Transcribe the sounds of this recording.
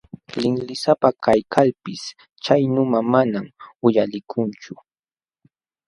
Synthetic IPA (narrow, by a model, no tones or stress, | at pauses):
lɪŋlɪsapakajkʰalpɪs | t͡ʃajnʊmamanamʊjalɪkʰʊnt͡ʃʊ